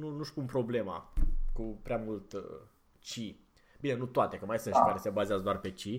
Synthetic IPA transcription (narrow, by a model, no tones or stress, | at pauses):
nunuʃpumpɾo̞ble̞ma̰kupɾeamult̪ | t͡ʃi | bine̞nut̪oat̪e̞kəmajsɨnʃikaɾese̞bazeazəd̪oarpe̞t͡ʃi